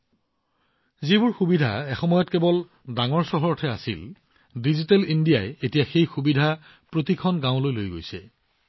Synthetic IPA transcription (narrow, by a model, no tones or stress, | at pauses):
zibʊɹxubidʱa̰ɛxɔmɔjɔtkɛbɔl | daŋɔɹsɔɦɔɹtʰɛa̰sḭl | dizitɛlindijajetijaxejxubidʱa | pɹotikʰɔnɡãʊ̃lojlojɡojsɛ̰